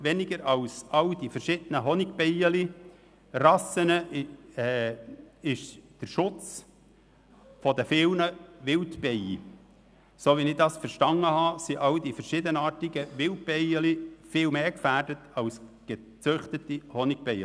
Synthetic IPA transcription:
ʋɛnɪɡəɾɑwsɑwdifəɾʃɪd̥ənəɦɔnɪɡbɛɪəli | rɑsənəɛː | ɪʃd̥əɾʃʊt͡s | fɔd̪əfɪlnəʋɪltb̥ɛjḭ | soːʋinɪd̪ɑsfəɾʃtɑŋːəhɑːsiʔɑwdifəɾʃɪdənɑːɾtiɡəʋɪlt̚bɛɪəlifɪːlmeːkfæːrdətʰɑwsɡ̥e | t͡sʏχtətihɔnɪɡ̥̚b̥ɛjə

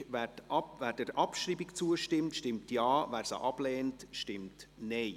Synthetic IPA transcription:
vɛvæːɾd̥əɾʔɑpʃriːbikt͡suəʃtɪmtʃtɪmtjɑːvæːɾsa̰ʔɑb̥lɛːntʃtɪmtnɛɪ

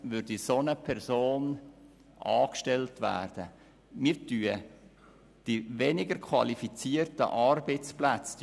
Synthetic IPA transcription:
ʋʏɾdisonəpʰɛɾzoːn | ʔɑːkʃtɛltvæ̰ːrd̥ə | miɾtyːə | d̥ivenɪɡəɾkʰvɑ̰lifit͡siːərtə̰ʔɑrbɛt͡splæt͡sd

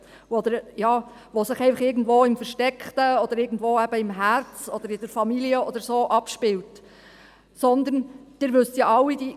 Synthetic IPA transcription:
ɔd̪əɾjɑː | ʋosɪχɛɪfəχɪːɾɡn̩dʋoːɪmfəɾʃtɛkχt̪əɔd̪əɾɪːɡn̩dʋoːæb̥əɪmɦært͡sɔd̥̪əɾɪd̥̪əɾfɑmiliəɔd̪əɾsoːʔɑpʃpɪlt | sɔnd̪ənd̥ɪɾʋɵstjɑʔɑwːidi

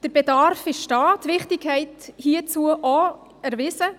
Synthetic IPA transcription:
d̥əɾb̥edɑɾfɪʃʃtɑːtʋɪχtɪkʰhɛɪthiːət͡suəʔɔ | æɾʋɪsə

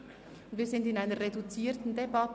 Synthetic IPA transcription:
ʊndviːzɪndɪnaɪnəʁedut͡siːtn̩debɑt

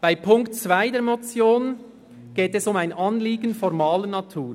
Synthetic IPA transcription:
b̥aɪpʰʊŋktt͡sv̥aɪdeːɐɾmɔt͡sjoːn | ɡ̥eːtɛsʊmaɪnɑnliːɡənfɔɾmɑːlənɑtʰuːɾ

